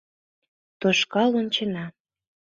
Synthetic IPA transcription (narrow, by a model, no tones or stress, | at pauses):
t̪oʃkɑlont͡ɕenɑ